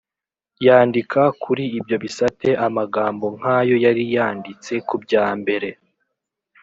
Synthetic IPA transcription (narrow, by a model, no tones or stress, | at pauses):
jaːndikʰakʰuɾiːbjo̞βisate̞ʔamaɡaːmbo̞ŋ̥haːjo̞jaɾijaːndit͡se̞kubɟaːmbe̞ɾe̞